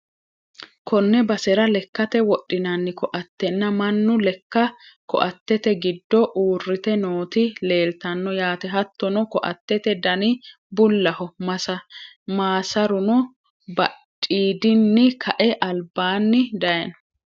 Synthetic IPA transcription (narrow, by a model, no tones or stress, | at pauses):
kʰɔnːɛbɐsɛɾɐlɛkːɐt̪ɛwɔʔːɪnɐnːɪkɔʔɐt̪ːɛnːɐmɐnːʊlɛkːɐkɔ̰ʔɐt̪ːɛt̪ɛɡɪd̪ːɔʔuːrːɪt̪ɛnoːt̪ɪle̞ːlt̪ɐnːɔjaːt̪ɛɦɐt̪ːɔnɔkɔʔɐ̰t̪ːɛt̪ɛd̪ɐnɪ | bʊlːɐhɔmɐsɐmaːsɐɾʊnɔ | bɐtʼːiːd̪ɪnːɪkʰɐʔɛʔɐlbaːnːɪd̪ɐjɐnɔ